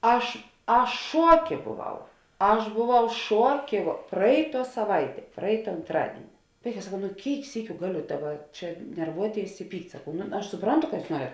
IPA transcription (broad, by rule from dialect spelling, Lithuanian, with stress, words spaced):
ˈɐʃ ˈɐʃ ˈʃuɔˌkʲeː boːˈʋɐʊ ˈɐʃ boːˈʋɐʊ ˈʃuɔˌkʲeː ʋoː ˈprɐɪˌtuɔ sɐˈʋɐɪˌtʲiɛ ˈprɐɪtɐ ɐntˈrɑːdʲiɛnʲɪ ˈʋɐɪˌkɑː sɐˈkɐʊ nʊ ˈkʲeːɪk ˈsʲiːkʲʊ ˈɡɑːˌlʲʊ ˈdɑːˌbɐ ˈt͡ʃʲɛ nʲɛrˈʋuɔˌtʲeːɪs ɪ ˈpʲiːktʲ sɐˈkɐʊ nʊ ɐʃ sʊˈprɐntʊ kɐ ˈjuːs ˈnuɔrʲɛt